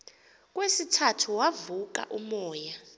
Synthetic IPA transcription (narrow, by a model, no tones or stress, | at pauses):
k̬ʼwesitʰatʰuwavuk̬a̰ʔumɔːja